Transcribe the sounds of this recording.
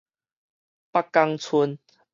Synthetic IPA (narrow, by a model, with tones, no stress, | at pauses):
pa˦kːa˧ŋt͡sʰu˧n